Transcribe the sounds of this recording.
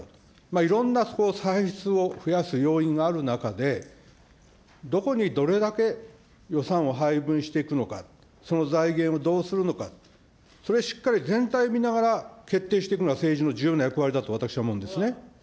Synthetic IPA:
maiɾõ̞nːaso̥ko̞saiçi̥t͡sɨo̞ɸɯ̟jasɨjo̞ːĩŋɡaːɾɯ̟nakad̪e̞ | d̪o̞ko̞ɲ̟id̪o̞ɾe̞d̪ake̞ | jo̞sãɰ̃o̞ɦaibɯ̟̃ɰ̃ɕi̥t̪e̞ikɯno̞ka̰ | so̞no̞zaiɡẽɰ̃o̞d̪o̞ːsɨɾɯ̟no̞ka | so̞ɾeɕi̥kːaɾʲizẽ̞nt̪aiomʲinaɡaɾake̞t̪ːe̞ːɕit̪ekɯ̟noɡase̞ːʑino̞d͡ʑɨːjɯnajakɯ̟βaɾʲid̪at̪o̞at̪akɯ̥ɕinamõ̞nd̪e̞sɨne

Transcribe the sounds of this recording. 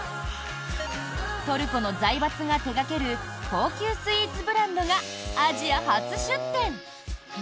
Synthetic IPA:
t̪o̞ɾɯ̟ko̞no̞zaibat͡sɨɡat̪e̞ɡake̞ɾɯ̟kʰo̞ːkʲɨːsɨit͡sɨbɯ̟ɾãnd̪o̞ɡaːʑiahat͡sɨɕɨt̪ːẽ̞ɴ

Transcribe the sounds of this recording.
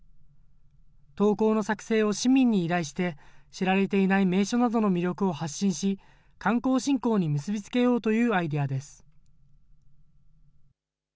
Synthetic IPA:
t̪o̞ːko̞ːno̞sakɯ̟̥se̞ːo̞ɕimʲĩɲ̟ːiːɾaiɕi̥t̪e̞ɕiɾaɾe̞t̪e̞inaime̞ːɕo̞nad̪o̞no̞mʲiɾʲo̞kɯ̟o̞haɕːĩɰ̃ɕi | kãŋko̞ːɕĩŋko̞ːɲ̟imɯ̟sɨbʲit͡sɨ̥ke̞jo̞ːt̪o̞jɯ̟ːaid̪e̞jad̪e̞sɨ̥

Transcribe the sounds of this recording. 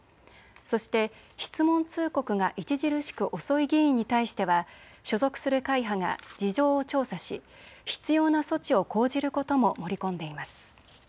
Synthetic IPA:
so̞ɕi̥t̪e̞ | çi̥t͡sɨmõ̞nt͡sɨːko̞kɯ̟ŋaʔit͡ɕiʑiɾɯ̟ɕi̥kɯ̟ʔo̞so̞iɡʲiĩɲ̟ːit̪aiɕi̥t̪e̞βaɕo̞zo̞kɯ̟̥sɨɾɯ̟kaiɦaŋa̰d͡ʑiʑo̞ːot͡ɕo̞ːsaɕi | çi̥t͡sɨjo̞ːnaso̞t͡ɕio̞ko̞ːʑiɾɯ̟ko̞t̪o̞mo̞mo̞ɾʲikõ̞nd̪e̞imasɨ̥

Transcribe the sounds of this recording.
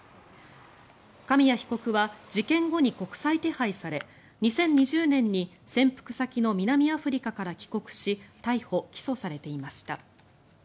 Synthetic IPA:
kamʲijaçi̥ko̞kɯ̟βad͡ʑikẽ̞ŋɡo̞ɲ̟iko̞kɯ̟̥sait̪e̞haisaɾe̞ | ɲ̟isẽ̞ɲ̟ːiʑɨːnẽ̞ɲ̟ːi | sẽ̞mpɯ̟̥kɯ̟̥sakʲino̞mʲinamʲiaɸɯ̟ɾʲikakaɾakʲi̥ko̞kɯ̟̥ɕit̪aiho̞kʲi̥so̞saɾe̞t̪e̞imaɕi̥t̪a̰

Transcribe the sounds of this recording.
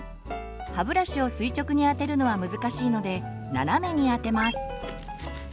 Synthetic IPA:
habɯ̟ɾaɕio̞sɨit͡ɕo̞kɯ̟ɲ̟iat̪e̞ɾɯ̟no̞β̞amɯzɨkaɕiːno̞d̪e̞ | na̰name̞ɲ̟iat̪e̞masɨ̥

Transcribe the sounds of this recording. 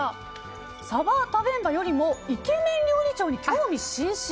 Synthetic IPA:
sabat̪abẽ̞mbajo̞ɾʲimo̞ike̞mẽ̞ɲɾʲoːɲʲit͡ɕo̞ːɲ̟ikʰʲoːmʲiɕĩɰ̃ɕ

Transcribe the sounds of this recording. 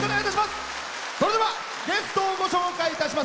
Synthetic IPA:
konejt̪aɕ̬imas | so̞ɾod̪e̞βa | ɡe̞sɨ̥t̪o̞ɡoɕo̞ːkaiːt̪aɕima

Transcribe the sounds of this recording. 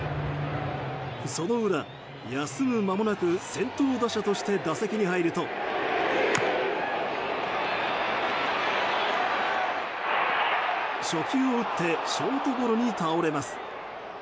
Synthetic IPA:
ɯso̞no̞ɯ̟ɾa | jasɨmɯ̟mamo̞nakɯ̟sẽ̞nt̪o̞ːd̪aɕat̪o̞ɕi̥t̪e̞d̪ase̞kʲiɲ̟iɦaiɾɯ̟t̪o̞ | ɕo̞kʲɨːoɯ̟t̪ʰːe̞ɕo̞ːt̪o̞ɡo̞ɾo̞ɲ̟it̪ao̞ɾe̞masɨ̥

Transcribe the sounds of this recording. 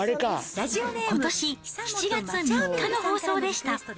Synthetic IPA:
aɾeka | ko̞t̪o̞ɕiçi̥t͡ɕiɡat͡sɨɲikːano̞ho̞ːso̞ːd̪e̞ɕi̥t̪a

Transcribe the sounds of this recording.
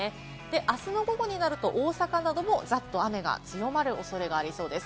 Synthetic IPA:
e | d̪̥e̞ʔasɨno̞ɡo̞ɡo̞ɲ̟inaɾɯ̟t̪o̞ʔo̞ːsakanad̪o̞mo̞zat̪ːo̞ame̞ɡa̰t͡sɨjo̞maɾɯ̟ʔo̞so̞ɾe̞ɡaːɾʲiso̞ːd̪e̞sɨ̥

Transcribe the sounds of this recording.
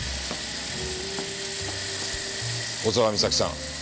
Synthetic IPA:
ozaβamʲisakʲi̥sã̰ŋ

